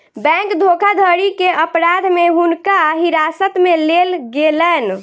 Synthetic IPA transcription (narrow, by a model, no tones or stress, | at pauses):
bɛ̃ŋkd̪ʱokʰad̪ʱəɾikeʔəpɾad̪ʱmeɦunkaɦiɾasət̪melelɡelən